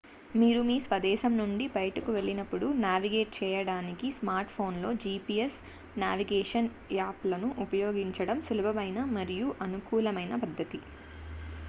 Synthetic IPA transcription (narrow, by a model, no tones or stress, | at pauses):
miːɾumiːsʋɐd̪ɛːʃɐmnuɳɖibɐjʈɐkuʋe̞ɭːinɐpːuɽunaːʋiɡeːʈ̚t͡ʃɛːjɐɽaːnikismaːɾʈpʰo̞ːnlo̞ːd͡ʒipiːes | naːʋiɡɛːʂɐn | aːplɐnuʔupɐjo̞ːɡiɲt͡ʃɐɽɐmsulubʱɐmɐjnɐmɐɾijuʔɐnukuːlɐmɐjnɐpɐd̪ʱːɐt̪i